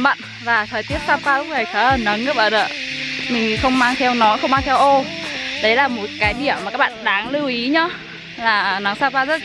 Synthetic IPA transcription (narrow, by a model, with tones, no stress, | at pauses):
ɓə̰˧˨n | vaː˨˩t̪ʰəː˨˩jt̪i˦˥əp̚saː˦˥w̚kwaː˧lʊ˦˥k͡p̚ə˨˩jkʰə˨˦əː˨˩nə˨˦ŋə˦˥˩ɓə̰ː˧˨˩ə̰ː˧˨mï˨˩ŋ̟˨xə˧wŋ͡mmaː˧ŋt̪ʰɛ˧wnɔ˨˦jxə˧wŋ͡mmaː˧ŋt̪ʰɛ˧wʔo˧ɗə˨˦jlaː˨˩mo˨˦t̚kaː˨˦jɗi˧˩əmːa˨˩kaː˦˥k̚ɓ̰ːnɗaː˨˦ŋlɨ˧wʔi˨˦ɲɔ˨˧˦ | laː˨˩˨nə˨˦ŋsaː˧˥kaː˧zə˦˥t̚